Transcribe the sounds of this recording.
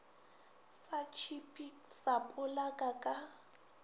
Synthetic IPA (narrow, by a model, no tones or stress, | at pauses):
sat͡ʃʰipʼisapʼʊlakʼakʼa